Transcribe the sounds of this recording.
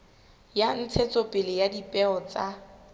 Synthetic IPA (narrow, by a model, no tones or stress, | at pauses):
jan̩t͡sʰet͡sʼopʼɪlɪjadipʼɛɔt͡sʼa